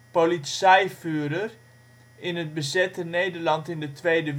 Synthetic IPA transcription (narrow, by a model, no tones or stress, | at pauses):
polisɛjfyːɾər | ɪnət̚bəzɛtənejdərlɑntɪndətʋejdəʋ